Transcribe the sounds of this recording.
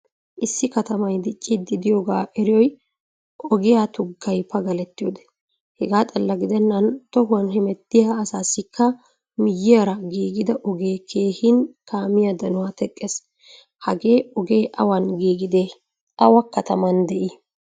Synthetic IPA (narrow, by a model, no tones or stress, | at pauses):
ʔɪsːɪkɐt̪ɐmɐjd̪ɪt͡ʃʼːɪd̪ɪd̪ɪjoːɡaːʔɛɾɪjɔj | ʔɔɡɪjat̪ʊɡːɐjpɐɡɐlɛt̪ːɪjoːd̪ɛ̥ | hɛɡaːt̪ʼɐlːɐɡɪd̪ɛnːɐnt̪ɔɦʊɐnɦɛmɛt̪ːɪjaːsaːsɪkʰːɐ | mɪjːɪjaɾɐɡiːɡɪd̪ɐʔɔɡe̞ːkʰeːhɪnkaːmɪjad̪ɐnʊwaːt̪ɛkʼːes | hɐɡe̞ːɔɡe̞ːʔɐwɐnɡiːɡɪd̪e | ɐwɐkɐt̪ɐmɐnd̪ɛʔi